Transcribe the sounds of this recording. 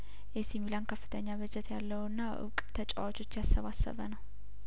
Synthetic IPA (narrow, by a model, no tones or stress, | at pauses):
jɛsimilankʰəfːɨ̥t̪ʰəɲːaβɨd͡ʒɛt̪jalːəwɨnːaʔɨ̰βkʼt̪ʰət͡ʃʼawat͡ʃʼo̞t͡ʃːjasːəβasːə̰βənəw